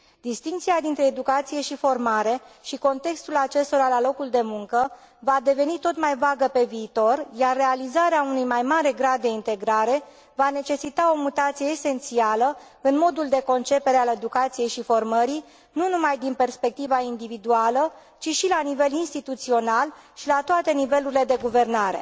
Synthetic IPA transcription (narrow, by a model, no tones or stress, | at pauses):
d̪ist̪iŋk̚t̪siad̪int̪ɾe̞ːd̪ukat̪sije̞ʃifo̞rmaɾe̞ʃiko̞nt̪e̞kst̪ulat͡ʃe̞st̪o̞ɾalalo̞kuld̪e̞muŋkə | vad̪e̞ve̞nit̪o̞t̪majvaɡəpe̞viːt̪o̞rjarːe̞alizaɾeaunujmajmaɾe̞ɡɾad̪ːe̞int̪e̞ɡɾaɾe̞ | vane̞t͡ʃe̞sit̪ao̞mut̪at̪sijeːse̞nt̪sialə | ɨnmo̞d̪uld̪e̞ko̞nt͡ʃe̞peɾeale̞d̪ukat̪sije̞jʃifo̞rməɾi | nunumajd̪inpe̞rspe̞k̚t̪ivaind̪ivid̪ualə | t͡ʃiʃilanive̞linst̪it̪ut̪sio̞nalʃilat̪oat̪e̞nive̞luɾile̞d̪e̞ɡuve̞rnaɾe̞̰